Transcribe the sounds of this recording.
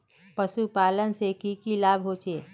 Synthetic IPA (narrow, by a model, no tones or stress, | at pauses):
pəʃupaːlənsekikilaːbʱɦoːt͡ʃeː